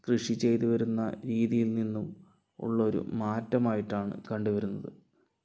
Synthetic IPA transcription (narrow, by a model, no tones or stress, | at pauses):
krɨʂit͡ɕe̞jt̪uʋɐɾunːɐ̰ɾiːðijilninːum | ṵɭːɐo̞ɾṵmaːtːɐmaːjiʈːaːɳɨ̰kɐɳɖuʋɐɾunːɐðɨ